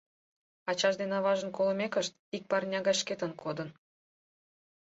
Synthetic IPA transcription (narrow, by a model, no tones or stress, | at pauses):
ɑt͡ɕɑʒd̪enɑβɑʒə̆nkoləmʲekə̆ʃt̪ik̚pɑrnʲɑɣɑʃket̪ə̆nkʰod̪ə̆n